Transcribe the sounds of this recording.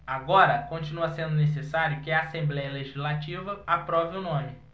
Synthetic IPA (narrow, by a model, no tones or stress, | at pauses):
aɡɔɾɐkõnt͡ʃinuɐsẽnd̪ʊnesesaɾjɐkɪɐasẽmblɛjɐleʒizlat͡ʃivɐapɾɔvɪʊnõmɪ